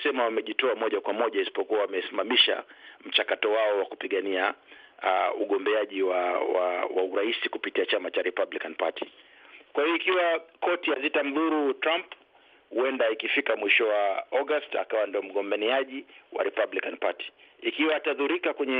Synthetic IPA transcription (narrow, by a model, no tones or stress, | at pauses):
sɛmawamɛʄitɔamɔʄakwamɔʄaisi̥pɔkuawamɛsimamiʃa̰m̩t͡ʃakatɔwaɔwakupiɠania | uɠɔmbɛaʄiwawawa̰uɾaisikupitiat͡ʃamat͡ʃaɾɛpablikanpatʰi̥ | kwahijɔikiwakɔtijazitam̩ðuɾutɾamp | huɛndaikifikamwiʃɔwaɔɡasta̰kawandiɔm̩ɠɔmbaniaʄiwa̰ɾɛpablikanpati̥ikiwaataðuɾikakwɛɲɛ